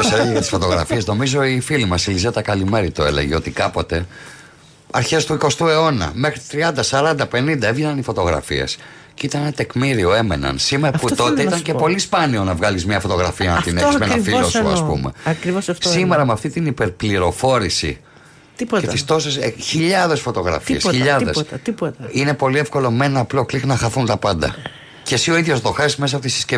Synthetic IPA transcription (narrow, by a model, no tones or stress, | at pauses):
oseɾeɣɐt̪isfo̞t̪o̞ɣɾɐ̰fiezno̞mizo̞ifilimɐsilizet̪ɐkɐlime̞ɾit̪oe̞̰le̞̰ʝeo̞t̪ikɐpo̞t̪e̞ | ɐ̰ɾçe̞st̪uiko̞st̪ue̞o̞nɐ̰me̞xɾit̪t̪ɾiɐnd̪ɐsɐɾɐnd̪ɐpe̞nind̪ɐevʝenɐnifo̞t̪o̞ɣɾɐ̰fḭḛs | ceit̪ɐnenɐt̪e̞kmiɾio̞e̞me̞̰nɐ̰nsimeɾɐput̪o̞t̪eit̪ɐɲce̞po̞lispɐnio̞nɐvɣɐlizmɲɐfo̞t̪o̞ɣɾɐfiɐnɐt̪inesmenɐfilosoɐ̰spṵmḛɐkɾiossime̞ɾɐmeɐft̪it̪inipe̞ɾpliɾo̞fo̞ɾisḭ | tet̪ist̪o̞sesçiʎɐðe̞sfo̞t̪o̞ɣɾɐ̰fesçiʎɐðestiot̪ɐine̞po̞liefko̞lo̞me̞nɐplo̞klixnɐxɐθunt̪ɐpɐnd̪ɐ̰ | cesio̞iðʝo̞zðo̞xesme̞s̬ɐpot̪isi̥sce